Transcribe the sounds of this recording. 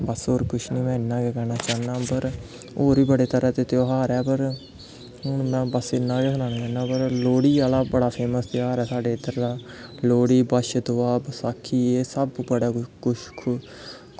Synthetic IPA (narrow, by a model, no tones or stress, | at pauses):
bəsoːɾkʊt͡ʃʰnĩːmɛ̃ːɪnːãːɡɛːkɛɾnaːt͡ʃaːnãːpəɾ | oːɾiːbəɽeːt̪əɾɛːt̪eːt̪eoːɦaːɾɛːpəɾ | ɦʊɳmɛ̃ːbəsɪnːãːɡɛːsnaːnaːt͡ʃɛɾnaːpəɾloːɽiːaːlaːbəɽaːpʰeːməst̪eɦaːɾɛːsaːɖeːd̪əɾd̪aːloːɽiːbəʃd̪oaːbəsaːkʰːiːeːsəbbəɽaːkʊʃkʰ